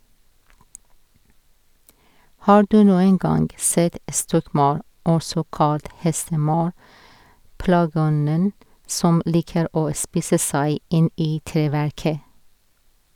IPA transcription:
ˈhɑː ˈɖʉː ˈnuːəŋ ˈɡɑnɡ ˈseːt ə ˈstɔkˌmɑɾ ˈɔsɔ ˈkɑlt ˈhɛstəˌmɑɾ ˈplɑːˌɡɔnən ˈsɔm ˈliːkəɾ ˈoː ˈspiːsə ˈsæɪ ˈɪn ˈiː ˈtɾeːʋæɾkə

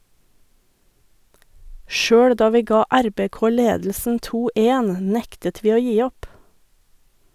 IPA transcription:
ˈʃøːɽ ˈdɑː ˈʋiː ˈɡɑː ˈæɾbeːˌkoː ˈleːdl̩sn̩ ˈtuː ˈʔeːn ˈnɛktət ˈʋiː ˈoː ˈjiː ˈɔp

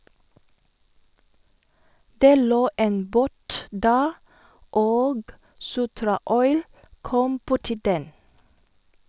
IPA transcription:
ˈdeː ˈloː ˈeːn ˈboːt ˈdæːɾ ˈoːɡ ˈsʊtɾɑˌɔʏl ˈkɔm ˈbʊʈɪ ˈdɛn

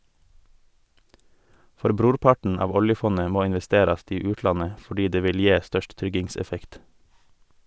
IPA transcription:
ˈfɔɾ ˈbɾuːɾˌpɑɳ̩ ˈɑːʋ ˈɔljəˌfɔnə ˈmoː ɪnʋɛˈsteːɾɑst ˈiː ˈʉːtˌlɑnə fɔˈɖiː ˈdeː ˈʋɪl ˈjeː ˈstœʃt ˈtɾʏɡɪŋˌsɛfɛkt

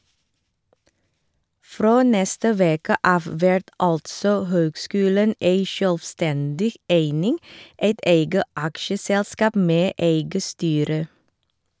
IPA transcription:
ˈfɾoː ˈnɛstə ˈʋeːkə ˈʔɑːʋ ˈʋɛɹt ˈɑltsɔ ˈhøːɡˌskʉːlən ˈeɪ ʃœlʋˈstɛndɪ ˈʔeɪnɪŋ ˈeɪt ˈeɪɡə ˈʔɑkʃəˌsɛlˌskɑːp ˈmeː ˈʔeɪɡə ˈstyːɾə

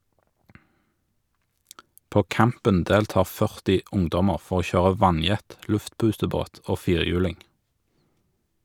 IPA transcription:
ˈpoː ˈkæmpən ˈdeːlˌtɑːʁ ˈfœʁtɪ ˈʊŋdɔməʁ ˈfɔʁ ˈoː ˈçøːʁə ˈʋɑnˌjɛt ˈlʉftˌpʉːtəˌboːt ˈoː ˈfiːʁˌjʉːlɪŋ

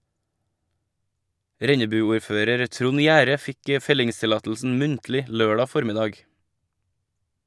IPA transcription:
ˈɾɛɲəbʉˌuːɾˌføːɾəɾ ˈtɾʊn ˈjæːɾə ˈfɪk ə ˈfɛlɪŋstɪˌlɑːtl̩sn̩ ˈmʉntlɪ ˈløːɖɑ ˈfɔɾmɪdɑːɡ

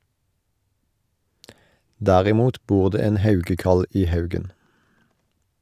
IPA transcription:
ˈdæːʁɪˌmuːt ˈbuːʁ ˈdeː ˈeːn ˈhɑʉɡəˌkɑl ˈiː ˈhɑʉɡən

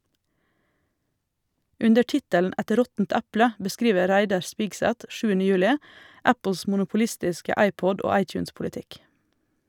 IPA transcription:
ˈʉndə ˈʈɪtəln̩ ˈɛt ˈɾɔtn̩t ˈæplə bəˈskɾiːʋə ˈɾæɪdɑɾ ˈspɪɡsæt ˈʃʉːənə ˈjʉːlɪ ˈæpl̩s mʊnʊpʊˈlɪstɪskə ˈɑɪˌpɔd ˈoː ˈɑɪˌtjʉːnspʊlɪˌtɪk

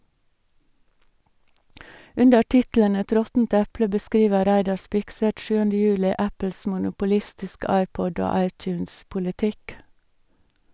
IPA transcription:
ˈʉndə ˈʈɪtl̩ən ˈɛt ˈɾɔtn̩t ˈɛplə bəˈskɾiːʋə ˈɾæɪdɑ ˈspɪkˌsɛt ˈʃʉːəndə ˈjʉːlɪ ˈæpəls mʊnʊpʊˈlɪstɪskə ˈɑɪˌpɔd ˈoː ˈɑɪˌtjʉːnspʊlɪˌtɪk

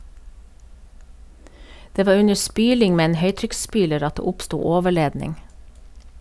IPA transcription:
ˈdeː ˈʋɑː ˈʉɲə ˈspyːlɪŋ ˈmeː ˈeːn ˈhœʏtɾʏksˌspyːləɾ ˈɑt ˈdeː ˈʊpstuː ˈoːʋəˌɭeːdnɪŋ

